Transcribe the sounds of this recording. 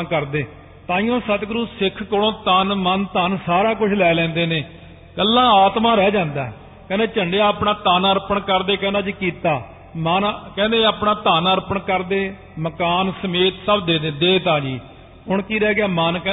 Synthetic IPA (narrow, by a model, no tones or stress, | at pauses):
kəɾd̪eː | t̪ãːĩjõːsət̪ɡɾuːsɪkʰkʊɽõːt̪ənmənt̪ansaːɾaːkʊt͡ʃʰlɛːlɛ̃ːnd̪eːneː | kəlːãːaːt̪mãːɾɛːd͡ʒãːnd̪a̰ːɛ | kɛ̃ːnd̪eːt͡ʃəɳɖeaːpɳaːt̪aːnəɾpəɳkəɾd̪eːkɛ̃ːnd̪aːd͡ʒiːkiːt̪aː | mənkɛ̃ːnd̪ẽːaːpnaːt̪aːnəɾpəɳkəɾd̪eː | məkaːnsəmeːt̪səbd̪eːd̪eːd̪eːt̪aːd͡ʒiː | ɦʊɳkiːɾɛːɡɪaːmənkɛ̃ː